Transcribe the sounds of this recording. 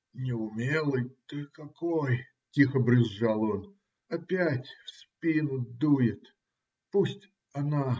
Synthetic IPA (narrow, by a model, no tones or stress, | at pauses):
nʲɪʊmʲelˠɨjt̪ɨkɐkoj | tʲixəbɾʲɪzːalˠon | ɐpʲætʲfspʲinʊd̪ujɪt̪ | pusʲtʲ | ɐna